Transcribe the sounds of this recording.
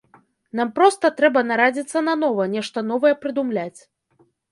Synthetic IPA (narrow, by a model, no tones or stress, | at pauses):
nampɾɔst̪ɐt̪ɾɛbɐnaɾad͡zʲit̪sːɐnɐnɔvɐnʲɛʂt̪ɐnɔvɐjɛpɾɨd̪umlʲat͡sʲ